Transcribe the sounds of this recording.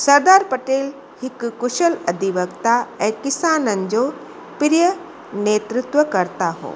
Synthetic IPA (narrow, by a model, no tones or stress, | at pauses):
sɐɾd̪aːɾpɐʈeːl | hɪkkʊʃəlɐd̪ʱiʋəkt̪aɛ̃ːkɪsaːnənd͡ʒo | pɾɪjə | neːt̪ɾɪt̪wʋəkɐɾt̪aɦo̰ː